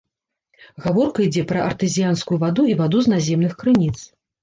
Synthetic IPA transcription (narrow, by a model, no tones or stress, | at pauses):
ɣavɔrkɐid͡zʲɛpɾɐʔɐrt̪ɨzʲijanskujuvad̪uivad̪uznazʲɛmnɨxkɾɨnʲit̪s